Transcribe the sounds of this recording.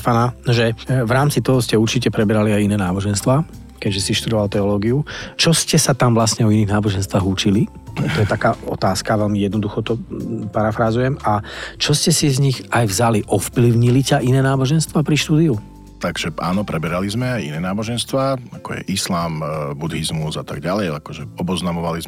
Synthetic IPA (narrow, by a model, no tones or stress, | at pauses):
fananɔʒɛʋɾaːmt͡sit̪ɔɦɔscɛuɾt͡ʃicɛpɾɛbɛɾaliajinɛːnaːbɔʒɛnst̪ʋaː | kɛɟʒɛsiʃt̪ud̪ɔʋalt̪ɛɔlɔːɡiut͡ʃɔscɛsat̪amvlasɲɛɔiniɣnaːbɔʒɛnst̪ʋaːɣut͡ʃili | t̪ɔjɛt̪akaːɔ̰t̪aːskaʋɛlmijɛd̪nɔd̪uxɔt̪ɔpaɾafɾazujɛmʔat͡ʃɔscɛsizɲiɣʔajvzaliʔɔfpliʊɲilicaʔinɛːnaːbɔʒɛnst̪ʋaːpɾiʃt̪uːd̪iu | t̪aɡʒ̥ɛa̰ːnɔpɾɛbɛɾalizmɛajḭnɛːnaːbɔʒɛnst̪ʋaːakɔjɛ̰ʔislaːmbud̪ɦizmuzat̪a̰ɡɟalɛjakɔʒɛɔbɔznamɔʋaliz